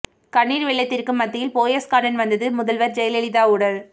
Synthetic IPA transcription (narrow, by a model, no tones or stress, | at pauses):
kɐɳːiːɾʋɪɭːɐɪt̪ːɪrkɯmːɐt̪ːɪjɪlpoːjɐskaːɽɐnʋɐnd̪ɐðɯmʊðɐlʋɐɾd͡ʒɛjɐlɛlɪðaːʊɽɐl